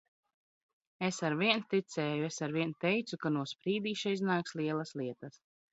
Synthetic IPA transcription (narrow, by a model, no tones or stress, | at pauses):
esaɾviɛnt̪it̪sʲɛːjuesaɾviɛnt̪ɛjt̪sukanuɔspɾiːd̪iːʃaiznaːkslˠiɛlˠɐsliɛt̪ɐs